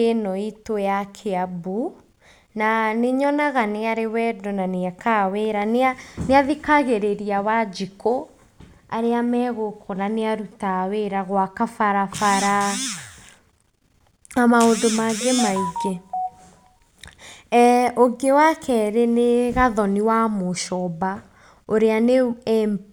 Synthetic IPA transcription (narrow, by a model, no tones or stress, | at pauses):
enɔitojakʰeabu | naneɲɔnaɣaneaɾewɛdɔnaneakʰaweɾaneaneaðikaɣeɾeɾiawad͡ʒiko | aɾeamɛːɣokʰonaneaɾutaweɾaɣwakafaɾafaɾa | amaondomaɡemaiɡe | oɡewakʰɛɾeneɣaðɔniwamoʃɔba | oɾeane